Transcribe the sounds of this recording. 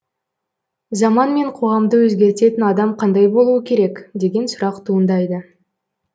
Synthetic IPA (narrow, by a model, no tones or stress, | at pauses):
zɑmɑnme̞ɴqʰo̞ʁɑmd̪əwɵzɡʲe̞ɾt̪e̞t̪ɪnɑd̪ɑmqʰɑnd̪ɑjbo̞lˠuəkʲʰe̞ɾe̞kd̪e̞ɡʲe̞nsʊɾɑqt̪ʰuənd̪ɑjd̪ə